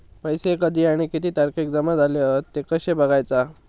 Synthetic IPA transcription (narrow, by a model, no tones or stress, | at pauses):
pəjsekəd̪ʱiːaɽ̃ikit̪iːt̪aɾkiːk̚d͡zəmad͡zʱaleət̪ːekəɕebəɡʱajt͡sa